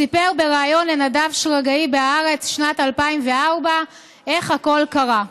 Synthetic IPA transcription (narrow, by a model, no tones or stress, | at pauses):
sipeʁbe̞ʁaːjo̞nle̞nadavʃʁaɡaibeaaʁe̞t͡sʃnatalpaimveaʁba | ʔe̞χhako̞lkaʁa